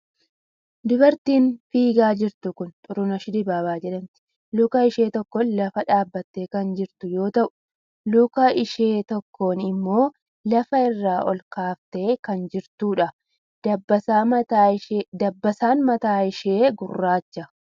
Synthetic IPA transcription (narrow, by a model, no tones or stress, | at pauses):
d̪ʊbɐɾt̪iːnfiːɡaːd͡ʒɪɾt̪ʊkʊnt̪ʼʊɾʊnɐʃɪd̪ɪbaːbaːd͡ʒɛᶑɐnt̪ɪ̥ | lʊkɐɪʃe̞ːt̪ɔkːɔnlɐfɐᶑaːbːɐt̪ːeːkɐnd͡ʒɪɾt̪ʊjo̞ːt̪ɐʔʊ̥ | lʊkɐɪʃe̞ːt̪ɔkʰːo̞ːnɪmːo̞ː | lɐfɐɪrːaːʔɔ̰lkaːft̪e̞ːkɐnd͡ʒɪɾt̪uːᶑɐ | ɐbɐ | d̪ɐbːɐsaːnmɐt̪aːɪʃeːɡʊrːaːt͡ʃːɐ